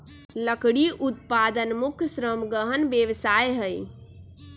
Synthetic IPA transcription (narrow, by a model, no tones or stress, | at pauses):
ləkɽiʔut̪̚pad̪ənmukʰsɾəmɡəɦənbjeʋsajɦəj